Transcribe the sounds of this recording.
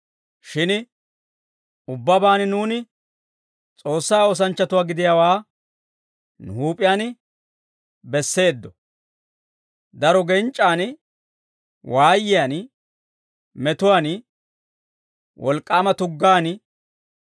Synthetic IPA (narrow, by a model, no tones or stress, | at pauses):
ʃɪn | ʊbːɐbaːnnuːnɪ | t͡sʼo̞ːsːaːɔs̬ɐnt͡ʃːɐt̪ʊwaːɡɪd̪ɪjawaː | nʊ̰huːpʼːɪjaːn | bɛsːe̞ːd̪ːɔ | d̪ɐɾɔɡɛnt͡ʃʼːaːn | wʔaːjːɪjaːn | mɛt̪ʊwaːn | wʔɔlkʼːaːmɐt̪ʊɡːaːn